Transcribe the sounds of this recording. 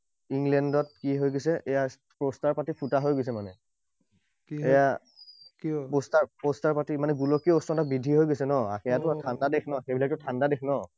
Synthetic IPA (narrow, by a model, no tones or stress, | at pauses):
iŋlɛndɔt̚kiɦojɡosɛʔɛja | pɹostaɹpatipʰutaɦojɡojs̬ɛmanɛ | kɛja | kipostaɹpostaɹpatimanɛɡulɔkiɔostɔntabidʱiɦojɡojsɛnɔaxɛjatʊtʰandadekʰnɔxebilak̚tʊtʰandadɛkʰnɔ